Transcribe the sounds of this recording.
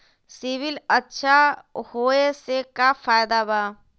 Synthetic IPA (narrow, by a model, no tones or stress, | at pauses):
siʋɪlətːʃʰahoːesekafaːjd̪abaː